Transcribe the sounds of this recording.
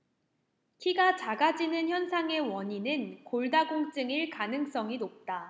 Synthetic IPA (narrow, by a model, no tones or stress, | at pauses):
kʰiɡat͡ɕaɡad͡ʑinɯnçjʌnsʰaŋe̞wʌɲinɯnkoɭdaɡoŋt͡ɕ͈ɯŋiɭkanɯŋs͈ʌŋinop̚t͈a